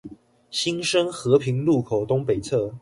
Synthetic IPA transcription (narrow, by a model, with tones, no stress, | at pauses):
ɕi˥nʂə˥ŋxɤ˧˥pʰi˧˥ŋlu˥˩kʰo˨˩ʊt̪ʊ˥ŋpe˨˩ɪt͡sʰɤ˥˩